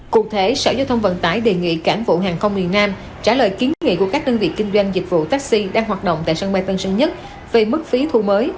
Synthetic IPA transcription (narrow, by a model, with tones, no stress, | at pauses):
ku˨˩k̚t̪ʰe˨˦sa̰ː˧˩wzaː˧wt̪ʰə˧wŋ͡mvə̰˧˨nt̪aː˨˦jɗe˨˩ŋḭ˧˨kaː˧˩mvṵ˧˨ɦaː˨˩ŋxə˧wŋ͡mmi˨˩ənnaː˧m | t͡ɕaː˧˩ləː˨jki˨˦ənŋḭ˧˨ku˧˩əkaː˦˥k̚ɗəː˧nvḭ˧˨kï˧ŋ̟zwa˧jŋ̟zi˨˩k̟̚vṵ˧˨t̪aː˦˥k̚si˧ɗaː˧ŋɦwaː˨˩t̚ɗo̰˧˨wŋ͡mt̪a̰ː˧˨jsaː˧ŋɓa˧jt̪ə˧nsə˧ŋɲə˦˥t̚ | ve˨˩mɨ˦˥k̚fi˨˦t̪ʰu˧˩məː˨˦j